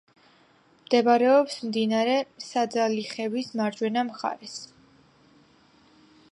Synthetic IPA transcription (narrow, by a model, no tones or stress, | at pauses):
md̪̥ɛbaɾɛɔpsmd̪inaɾɛsad̪zaliχɛvismaɾd͡ʒwɛnamχa̰ɾɛs